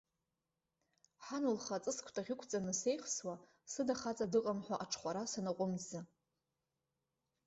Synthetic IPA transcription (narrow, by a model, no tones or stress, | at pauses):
ħanɨlχat͡sʼɨskʷʰtʰʼaʁʲɪkʷʰt͡sʼanɨse̞jχswa | sɨdaχat͡sʼadɨqʼamħʷaʔaʈ͡ʂʰχʷaɾasanaqʷʼʊmzɨ